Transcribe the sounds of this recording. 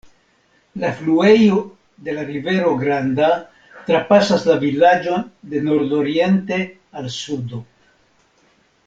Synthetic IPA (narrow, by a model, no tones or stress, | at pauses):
laflue̞jo̞ | de̞laɾive̞ɾo̞ɡɾanda | tɾapasaslavilad͡ʒo̞nde̞no̞ɾdo̞ɾie̞nte̞ | alsudo̞